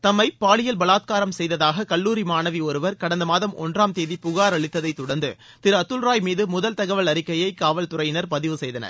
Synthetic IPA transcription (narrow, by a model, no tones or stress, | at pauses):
t̪ɐmːɐɪpaːɭɪjɐlbɐlaːt̪̚kaːɾɐmsɛjðɐðaːɣɐkɐɭːuːɾimaːnɐʋiɔɾɯʋɐɾkɐɽɐnd̪ɐmaːðɐmɔ̰ndraːmt̪eːðipʊɣaːɾɐɭɪt̪ːɐðɐɪt̪ːʊɽɐnd̪ɯ | t̪ɪɾɐt̪ːʊlɾaːjmiːðɯmʊðɐlt̪ɐɣɐʋɐɭɐɾɪkːɐjɐɪkaːʋɐlt̪ʊɾrɐjɪnɐɾpɐðɪʋɯsɛjðɐnɐ̰ɾ